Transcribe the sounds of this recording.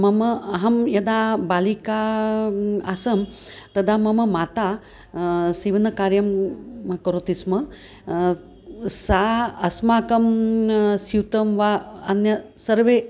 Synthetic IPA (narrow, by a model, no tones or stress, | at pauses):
mɐmɐɦɐmjɐd̪abalika | asɐm | t̪ɐd̪ʱamɐmɐmaːt̪a | siʋɐnɐkaɾjɐmkɐɾot̪ismɐ | saɐsmaːkɐm | siwt̪ɐmʋaɐnjɐsɐɾʋe